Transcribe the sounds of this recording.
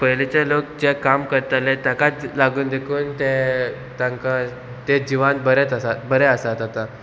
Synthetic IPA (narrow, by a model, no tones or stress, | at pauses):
pəjlet͡ɕelok̚d͡ʑekamkəɾt̪alet̪jakat̪laɡuːnd̪ekʰuːnt̪e | t̪ãŋka | t̪ed͡ʑiʋãnbəɾet̪əsat̪bəɾeəsat̪at̪a